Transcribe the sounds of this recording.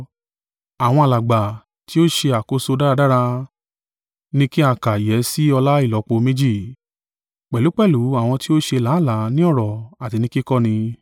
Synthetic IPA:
a˨w̃ɔ̃˧a˨la˨ɡ͡ba˨ | ti˦o˦ʃe˧a˨ko˧so˧da˦ɾa˧da˦ɾa˧ | nĩ˦ki˦a˦˨ka˨jɛ˨˦si˦ɔ˧la˦i˦˨lɔ˨˦k͡po˧mẽ˦d͡ʒi˦˨ | k͡pɛ˨lu˨˦k͡pɛ˦˨lu˨˦a˦˨w̃ɔ̃˧ti˦o˦ʃe˧la˨˦˨la˨˦nĩ˦ɔ˦˨ɾɔ˨a˨ti˧nĩ˦ki˦kɔ˦nĩ˧

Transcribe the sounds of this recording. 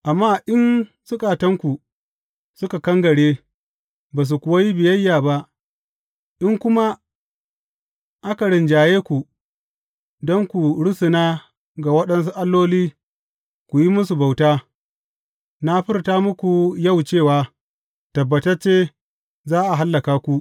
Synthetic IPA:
ʔa˨mːaː˦˨ʔɪ˦n | sʊ˦kʼa˨tɐ˦ŋkʷu˨ | sʊ˦ka˨kɐ˦ŋɡɐ˨ɽeː˦ | baː˨s̬u˨kʷʊ˨wa˦ji˦bɪ˨jɐ˦jːaː˨ba˦ʔ | ʔɪ˦ŋkʷʊ˦ma˦ | ʔa˦ka˨ɽɪ˨nd͡ʒaː˨jeː˦kʷu˨ | dɔ˦ŋkʷu˨ɽʊ˦sʊ˨naː˦ | ɡa˨wɐ˦ɗɐ˦ns̬u˦ʔa˦lːoː˦liː˦ | kʷu˨ji˦mʊ˦su˨ba˨wtaː˦ | na˦ɸɪ˦rtaː˦mʊ˦kʷu˨jɐ˦˨wt͡ʃeː˦˨waː˦ | tɐ˨bːɐ˨tɐ˦rt͡ʃeː˦ | zaː˦ʔa˨ɦa˦lːɐ˨kaː˦kʷu˨ʔ

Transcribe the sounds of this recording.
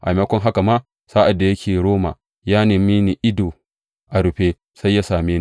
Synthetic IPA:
ʔa˨jmɐ˦kʷɔ˦ŋɦa˦ka˨ma˦ | saː˦ʔa˨dːa˨jɐ˦kʲʰeː˨ɽoː˦ma̰ː˨ | jaː˦neː˨mi˦ni˨ʔɪ˦doː˨ | ʔa˨ɾʊ˨ɸeː˦ | sa˦jːa˦saː˨meː˦n˨

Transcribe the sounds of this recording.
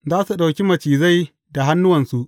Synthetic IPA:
zaː˦su˨ɗa˨wkʲi˦mɐ˨t͡ʃiː˨za˦˨j | da˨ɦa˦nːʊ˦wɐ˨nsu˦ʔ

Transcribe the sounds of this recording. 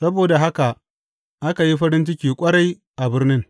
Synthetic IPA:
sɐ˦boː˨da˨ɦa˦ka˨ʔ | ʔa˦ka˨ji˦ɸɐ˦ɾɪ˦nt͡ʃɪ˦kʲiː˨kʷʼɐ˦ɽa˦j | ʔa˨bɪ˦rnɪ˦ŋ

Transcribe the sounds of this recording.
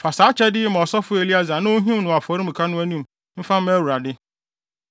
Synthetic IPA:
fa˨sa˨˦t͡ɕʰɛ˦dɪ˦m̃˨ɔ˨sɔ˦fʊ˦e˨li˦a˦za˨nʊ̃˦o˦ɦĩ˦m˦nʊ̃˨a˨fɔ˨ɾi˦m̩˨kʰa˦nʊ̃˦æ˦nĩ˦m | m̩˦fã˦m̩˦æ˦wu˨ɾa˨dɪ˦

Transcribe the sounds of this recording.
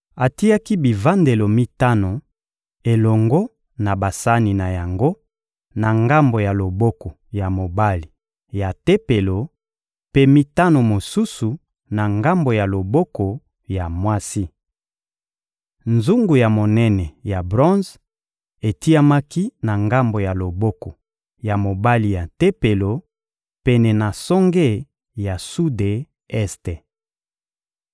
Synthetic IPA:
a˨ti˦ja˦ki˦bi˨va˦nde˨lo˨mi˦ta˦no˨ | e˨lɔ˨ŋɡo˦ | na˨ba˨sa˦ni˨na˨ja˨ŋɡo˦ | na˨ŋɡa˦mbo˨ja˨lo˨bɔ˦ko˨ | ja˨mo˨ba˦li˨ | ja˨te˦pe˨lo˨ | pe˦mi˦ta˦no˨mo˨su˦su˨ | na˨ŋɡa˦mbo˨ja˨lo˨bɔ˦ko˨ | ja˨mwa˦si˦ | nzu˦ŋɡu˨ja˨mo˨nɛ˦nɛ˨ja˨bʁɔ̃˦nz | e˨ti˦ja˦ma˦ki˦na˨ŋɡa˦mbo˨ja˨lo˨bo˦ko˨ | ja˨mo˨ba˦li˨ja˨te˦pe˨lo˨ | pɛ˦nɛ˨na˨sɔ˦ŋɡe˦˨ | ja˨su˦de˨ | ɛ˦ste˨

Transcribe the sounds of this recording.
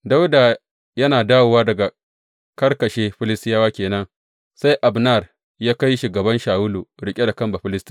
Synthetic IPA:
da˦wda˨ | jɐ˦naː˨daː˦wo˨waː˦dɐ˨ɡa˨ | kɐ˦rkɐ˨ʃeː˦ɸɪ˦lɪ˦stɪ˦jaː˦waː˦kʲeː˨nɐ˦ŋ | sa˦jʔa˨bna˦˨r | jaː˦ka˦jʃuː˨ɡɐ˨bɐ˦nʃaː˨wʊ˦luː˨ɽɪ˦kʲʼe˦da˨kɐ˦mba˨ɸɪ˦lɪ˦stu̥˦

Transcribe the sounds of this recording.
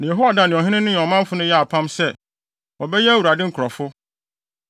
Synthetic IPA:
nã˨jɛ˨ɦo˦a˨da˨nɪ̃˨ɔ̃˨ɦɪ̃˦nɪ̃˦nʊ̃˦ɲɔ̃˨mã˦m˦fʊ˦nʊ̃˦jɛ˦a˨pʰã˦msɛ˦ | wɔ˨bɛ˦jɛ˦æ˦˨wu˨ɾa˨dɪ̃˦ŋ̩˨kʰʊ˨ɾɔ˨fʊ˦

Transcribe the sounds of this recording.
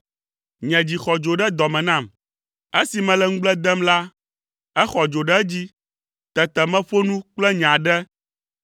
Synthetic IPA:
ɲɛ̃˨d͡ʑi˨xɔ˨d͡ʒo˨ɖɛ˦d̪ɔ˨mɛ̃˨nã˦˨m | e˦si˨mɛ̃˨lɛ˦ŋ̩˦ɡ͡blɛ˦d̪ɛ˦mla˦ | ɛ˦xɔ˨d͡ʒo˨ɖɛ˦d͡ʑi˦ | t̪ɛ˨t̪ɛ˨mɛ̃˦ɸo˦nũ˦k͡plɛ˦ɲ˨ã˨ɖɛ˦

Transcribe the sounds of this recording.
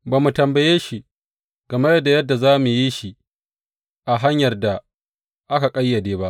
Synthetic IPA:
baː˨mu˨tɐ˨mbɐ˨jeː˦ʃi˦ | ɡ̥ɐ˨ma˦jɐ˦da˨jɐ˦dːa˨zaː˦mu˨ji˦ʃi˦ | ʔa˨ɦa˦ɲjɐ˨rda˨ | ʔa˦ka˨kʼɐ˦jːɐ˨deː˦ba˦ʔ

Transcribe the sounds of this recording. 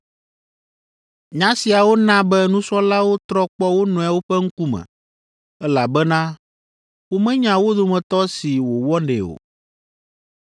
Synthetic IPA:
ɲã˦si˨a˨wo˦nã˦bɛ˦nũ˦sɔ˦la˦wo˦t̪ɾɔ˦k͡pɔ˦wo˦nɔ̃˨a˨wo˦ɸɛ˦ŋ̩˦ku˦mɛ̰̃˨ | ɛ˦la˨bɛ˦nã˦ | wo˦mɛ̃˦ɲã˨wo˦d̪o˦˨mɛ̃˨t̪ɔ˦si˨wo˨wɔ˦nɖḛ˨o̰˨

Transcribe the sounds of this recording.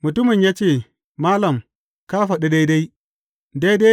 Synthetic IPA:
mʊ˨tʊ˦mɪ˨ɲjaː˦t͡ʃeː˦˨ | maː˦lɐ˨m | kaː˦ɸɐ˨ɗɛ˦da˦jda˦j | da˦jda˦

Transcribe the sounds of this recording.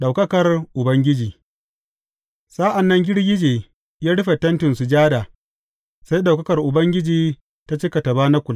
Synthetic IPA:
ɗa˨wkɐ˦kɐ˨rʔʊ˨bɐ˦ŋɡʲɪ˦d͡ʒiː˨ | saː˦ʔa˨nːɐ˦ŋɡʲɪ˦ɽɡʲɪ˦d͡ʒeː˨ | jaː˦ɽʊ˦ɸa˨tɐ˦ntɪ˨nsu˨d͡ʒaː˦daː˨ | sa˦jɗa˨wkɐ˦kɐ˨rʔʊ˨bɐ˦ŋɡʲɪ˦d͡ʒiː˨ | ta˦t͡ʃɪ˦ka˨tɐ˨baː˦na˦kʷʊ˨l

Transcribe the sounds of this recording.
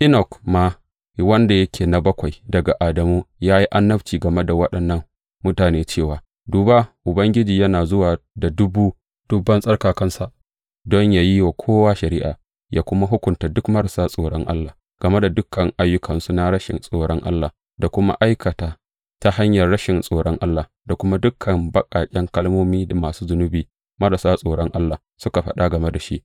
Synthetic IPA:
ʔɪ˦nɔ˨kmaː˦ | wɐ˦nda˨jɐ˦kʲeː˨na˨bɐ˦kʷa˨jdɐ˨ɡa˨ʔaː˨dɐ˨muː˦jaː˦ji˦ʔa˦nːɐ˦ɸt͡ʃiː˨ɡɐ˨me˦da˨wɐ˦ɗɐ˨nːɐ˦ŋ | mʊ˦taː˨neː˦t͡ʃeː˦˨waː˨ | duː˨ba˦ʔʊ˨bɐ˦ŋɡʲɪ˦d͡ʒiː˨jɐ˦naː˨zʊ˦waː˨da˨dʊ˦buː˦ | d̥ʊ˨bːɐ˦nsʼɐ˦rkaː˨kɐ˦nsa˦˨ʔ | dɔ˦ɲjaː˨ji˦wa˨kʷʰoː˦waː˦ʃɐ˨ɾiː˦ʔa̰ː˨ | jaː˦kʷʊ˦ma˦ɦʊ˦kʷʊ˨ntaː˨dʊ˦kmɐ˦ɽsaː˦sʼoː˨ɽɔ˦ŋʔa̰˦lːa˨ | ɡ̥ɐ˨me˦da˨dʊ˦kʰːɐ˨ŋʔa˦jːʊ˦kʰɐ˨nsu˨na˦ɽɐ˦ʃɪ̰˨nsʼoː˨ɽɔ˦ŋʔa̰˦lːaː˨ | da˨kʷʊ˦ma̰˦ʔa˦jkʰɐ˨taː˨ | ta˦ha˦ɲjɐ˨rːɐ˦ʃɪ˨nsʼoː˨ɽɔ˦ŋʔa˦lːaː˨ | da˨kʷʊ˦ma˦dʊ˦kʰɐ˨mbɐ˦kʼaː˨kʲʼɛ˦ŋkɐ˦lmoː˦miː˦da˨maː˨suː˦zʊ˨nʊ˦biː˨ | mɐ˦ɽa˨saː˦sʼoː˨ɽɔ˦ŋʔa˦lːaː˨ | sʊ˦ka˨ɸɐ˦ɗa˦ɡɐ˨me˦da˨ʃi˦ʔ

